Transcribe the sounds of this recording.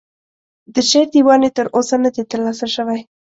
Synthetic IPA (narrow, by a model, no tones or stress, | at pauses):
d̪əʃeɾd̪iwɑnet̪əɾosənəd̪et̪əɾlɑsəʃəwaj